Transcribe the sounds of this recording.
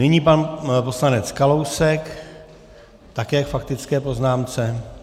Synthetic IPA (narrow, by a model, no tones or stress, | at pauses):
nɪɲiːpanpo̞slanɛt͡skalowsɛk | t̪akɛːjakfak̚t̪ɪt͡skɛːpo̞znaːmt͡sɛ